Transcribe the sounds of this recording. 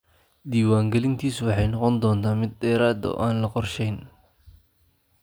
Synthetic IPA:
d̪iːwaːŋɡɛlɪnt̪ʰiːswɑħɑjnɔqɔnd̪ɔːnt̪ʰaːmɪd̪̚ːɛːɾaːd̪ɔ̰ʔaːnlɐqɔrʃɛjn

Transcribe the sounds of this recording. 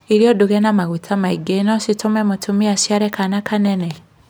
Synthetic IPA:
iɾjɔduɣɛnamaɣutʰamaiɡenɔsitʰomɛmotʰumiasjaɾɛkanakanɛnɛ

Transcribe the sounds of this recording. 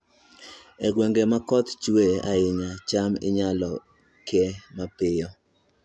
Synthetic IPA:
ɛɡweŋɡemakɔt̪t͡ʃweaɪɲat͡ʃamɪ̰ɲalɔ | kɪɛmapɪjɔ

